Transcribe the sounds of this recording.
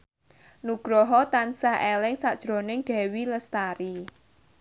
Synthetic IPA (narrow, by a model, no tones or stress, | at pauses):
nuɡ̥ɾɔɦɔt̪ansahʔelɪŋsad̥ʒ̥ɾo̤nɪŋɡ̥ɛ̤wiləst̪aɾi